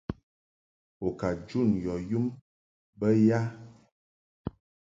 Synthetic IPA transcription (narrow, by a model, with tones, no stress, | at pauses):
o˨ka˨d͡ʒu˦˨njɔ˨ju˦m | bə˦ja˦